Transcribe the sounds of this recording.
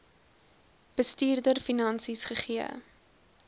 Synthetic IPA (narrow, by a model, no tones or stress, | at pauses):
b̥əstiːrdərfinɐnsisχəχiə̰